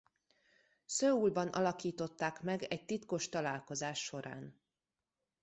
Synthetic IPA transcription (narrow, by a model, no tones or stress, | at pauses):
søːulbɒnʔɒ̰lɒkiːt̪o̞t̪ːaːkmɛɡɛc̚t̪it̪ko̞ʃt̪ɒlaːlko̞zaːʃːo̞ɾʔa̰ːn